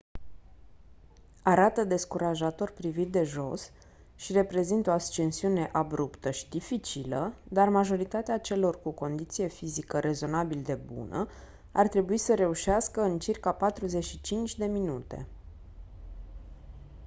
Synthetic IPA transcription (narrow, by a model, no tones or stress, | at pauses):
aɾat̪əd̪e̞skuɾaʒat̪o̞rpɾivit̪̚d̪e̞ʒo̞̰s | ʃire̞pɾe̞zint̪o̞ast͡ʃensiune̞ʔabɾupt̪əʃi̥d̪ifit͡ʃiləd̪armaʒo̞ɾit̪at̪eat͡ʃe̞lo̞rkuko̞nd̪it̪sije̞fizikəɾʔe̞zo̞nabild̪e̞bṵnə̰ | a̰rt̪ɾe̞buisəɾe̞uʃaskəɨnt͡ʃirkapat̪ɾuze̞t͡ʃʃit͡ʃint͡ʃʲd̪e̞minut̪e̞̰